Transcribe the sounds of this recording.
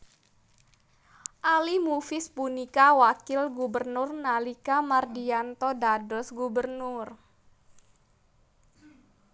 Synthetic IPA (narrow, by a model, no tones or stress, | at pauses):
ʔalimufɪspunikawakɪlɡubərnʊrnalikamardiant̪ɔdadɔsɡubərnʊr